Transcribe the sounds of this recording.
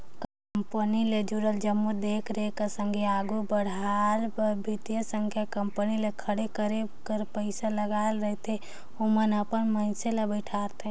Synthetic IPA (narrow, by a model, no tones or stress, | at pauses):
kə | mpəniled͡ʒuɾəld͡ʒəmːud̪eːkʰɾekəsə̃ŋɡʱeaːɡubəɽ̤albəbʱit̪ijəsə̃ŋkʰjakəmpənilekʰəɽekəɾebkəɾpəɪsaləɡaːlɾəɦt̪ʰe | ʊmənəpənməɪselebəʈʰaːɾt̪ʰe